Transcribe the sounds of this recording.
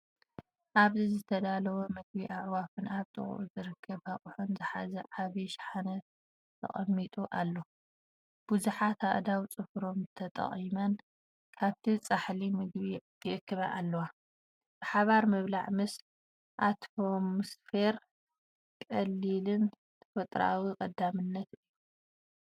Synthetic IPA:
ʔaβzizɨt̪ʰɐd̪alɐwomɨɡbiʔaʕwafɨnaβt̪ʼɨ̰χʼʔuzɨɾɨkʰːɐβhaχʼuħunzɨħazɐʕaβiʃħanɐ | t̪ʰɐ̰χʼɐ̰mːit̪ʼuʔalːo | b̥uzuħat̪ʰaʔd̪awt͡sʼɨfɾo̞mt̪ʰɐt̪ʼɐ̰χʼimɐn | kʰaβt̪ʰit͡sʼaħlimɨɡβij̪ʰɨʔɨkʰːɨβaʔalːɐwa | bɨħaβaɾmɐβlaʕmɨsl | ʔat̪fomsfeɾ | kʼɐlːilɨn | t̪ʰɐ̥fɐt̪ʼɾa̰wikʼɐd̪amɨnːɐt̪ɨjːu

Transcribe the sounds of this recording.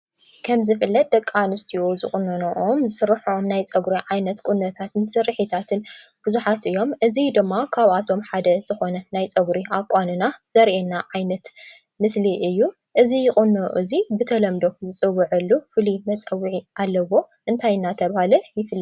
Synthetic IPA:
kʰɐmzɨfɨlːɐt̪̚d̪ɐkʼːanɨst̪ʰiozɨkʼʊnːonoʔomzɨsɨɾːɨħomnajt͡sʼɐɡɾiʕajnɐt̪kʼunːɐt̪ʰat̪ɨnsɨɾɨħit̪ʰat̪ʰɨnb̥ɨzuħat̪ʔɨjːo̞mʔɨzid̪ɨmːakʰaβat̪ʰo̞mħad̪ɐz̥ɨxo̞nɐnajt͡sʼɐɡɾiʔakʼːanɨnaz̥ɐɾʔenːaʕajnɐt̪ | mɨsliʔɨjːu | ʔɨzijɪχʼɨnːoʔɨzibɨt̪ʰɐlɐmd̪o̞zɨt͡sʼɨwːɨʕɨlːufɨlimɐt͡sʼɐwɨʕiʔalːɐwo̞ | ʔɨnt̪ʰajnat̪ʰɐβhalɐjɪfɨlː

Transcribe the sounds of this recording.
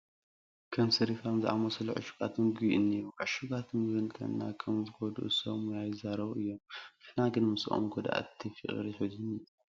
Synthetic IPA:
kʰɐmsɐɾifamzɨʔa̰mɐsɐluʕɨ̰ʃu̥ɡat̪ʰɨnɡuiʔɨnːeɾuʕɨʃuɡat̪ʰɨnzɨnt̪ʰɐ̰nːakʰɐmzɨɡod̪ṵʔsɐmujajɪzaɾɐβɨjːo̞mnɨħnaɡɨnmɨsʔo̰mɡod̪a̰ʔt̪ʰːifɨ̰χʼɾiħɨziniju

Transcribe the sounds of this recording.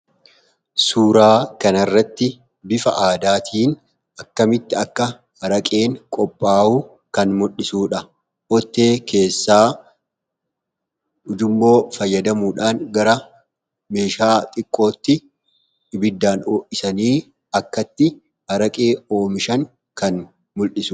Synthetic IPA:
suːɾaːkɐnɐrːɐt̪ːɪ | bɪfɐʔaːd̪aːt̪ʰiːn | ɐkːɐmɪt̪ːɪɐkːɐ | hɐɾɐkʼe̞ːŋkʼɔpʼːaːu | kɐnmʊᶑɪsuːᶑɐ | ʔɔt̪ːe̞ːke̞ːsːaː | ʊd͡ʒʊmbo̞ːfɐjːɐd̪ɐmuːᶑaːnɡɐɾɐ | me̞ːʃaːt̪ʼɪkʼːo̞ːt̪ːɪ | ɪbɪd̪ːaːnoːʔɪsɐniː | ɐkːɐt̪ːɪ | hɐɾɐkʼeːoːmɪʃɐŋ | kɐn | mʊlɗɪsʊ

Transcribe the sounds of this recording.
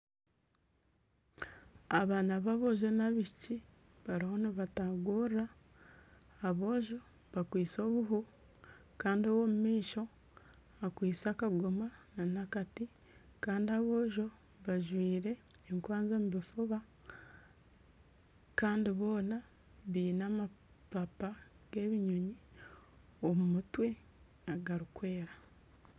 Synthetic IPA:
aβaːnaβaβo̞ːʒonaβiʃci | βaɾiho̞niβataɡura | βo̞ːʒo̞ | βakwiːt͡so̞ːβuɦu | kaːndiowo̞mumiːʃo̞ | akwiːt͡sakaɡomananakati | kaːndiaβo̞ːʒo̞ | βaʒwiːɾeː | ŋkwaːnzoːmuβifuβa | kaːndiβo̞ːna | βiːnaːma | papa | ɡ̥e̞ːβiɲuɲi | omumutwe̞ | aɡaɾukwe̞ːɾa

